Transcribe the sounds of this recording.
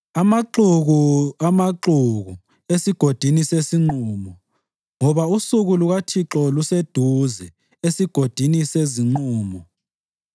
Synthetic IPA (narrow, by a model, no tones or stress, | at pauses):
amaǁuɣuamaǁuɣu | esiɡ̥ʱod̥ʱinisesiŋ͡ǀɔːmɔ | ŋɔβausuɣuluɣatʰiǁɔlused̥ʱuzɛ | esiɡ̥ʱod̥ʱiniseziŋ͡ǀɔːmɔ